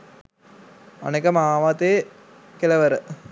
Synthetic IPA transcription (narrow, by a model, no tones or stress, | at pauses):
ɐ̰nekːɐmaːʋaːt̪eː | kelɐʋɐɾɐ